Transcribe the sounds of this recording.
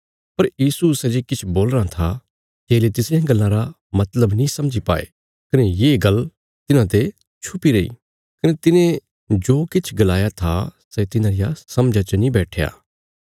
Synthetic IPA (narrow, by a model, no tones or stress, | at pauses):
pɐɾjiːsusɛ̃d͡ʒekɪt͡ʃʰboːlɾat̪ʰa | d͡ʒeːlet̪ɪsjãɡɐlːãɾa | mɐt̪ləbnĩsɐmd͡ʒipa̰ːḛ | kɐnejeːɡɐl | t̪ɪnãt̪̬e | t͡ʃʰʊpiɾeḭː | kɐnet̪ɪnẽ | d͡ʒoːkɪt͡ʃʰɡɐlaːjat̪ʰasɛt̪ɪnãɾɪjasɐmd͡ʒat͡ʃənĩbɛːʈʰeja̰ː